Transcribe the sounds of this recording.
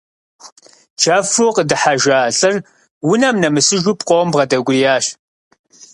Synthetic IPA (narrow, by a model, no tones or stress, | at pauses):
t͡ʃʰaːfoːqədɨħaʒaːɬʼɨr | wʊnɐmnɐmɨsɨʒupqʷʼɔwɐmbʁɐdɐɡʷʊrijaːɕ